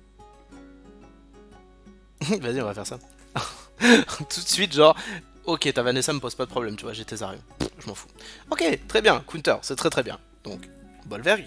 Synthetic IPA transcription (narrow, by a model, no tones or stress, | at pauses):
vaziɔ̃vafɛʁsa | t̪ʰut̪sɥit̪ʒɑ̃ʁ | ɔkʲet̪avanesaməpoz̥pad̪əpχɔblɛmt̪yvwaʒet̪ezaʁjɔ̰̃ʒəmɑ̃fu̥ɔkʲet̪χɛbjɛ̃kwĩt̪œ̰ʁsɛt̪χɛt̪χɛbjɛ̃ | d̪ɔ̃k | bɔlvɛʁɡ